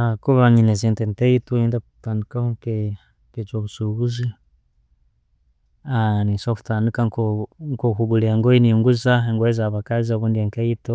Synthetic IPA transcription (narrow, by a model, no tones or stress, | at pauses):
akuβaɲinezeːntenteitoindakutaːndikahoŋke | ket͡ʃoβusuɣuzi | anisoku̥taːndikaŋkoŋkokuɡuleŋɡoiniŋɡuzaeŋɡwezaβakaziaβuːndieːŋkaito